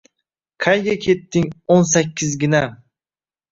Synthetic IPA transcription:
kʰajɡʲakʲʰe̞t̪ːɪŋonsakʲːɪzɡʲɪna

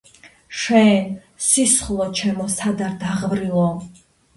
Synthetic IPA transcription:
ʃɛn | sisχlˠɔt͡ʃʰɛmɔsad̪aɾd̪aʁvɾilˠɔ

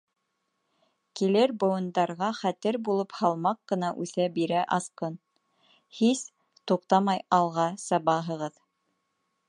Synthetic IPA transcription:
kilɘɾbŏwɤ̆nd̪ɑɾʁɑχæt̪ɘɾbulˠɤphɑlˠmɑqːɤ̆nɑʔʉθæbiɾæʔɑsqɤn | his | t̪uq̚t̪ɑmɑjɑlˠʁɑsɑβɑɦɤ̆ʁɤð

